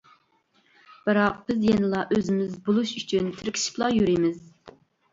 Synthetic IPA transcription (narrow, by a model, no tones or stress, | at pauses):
b̥ɨɾɑq̚b̥ɪzjenɨlˠɑʔøzɪmɪzbolˠuʃyt͡ʃʰynt̪ʰɪɾkʲʰi̥ʃi̥plˠɑjyɾimɪz̥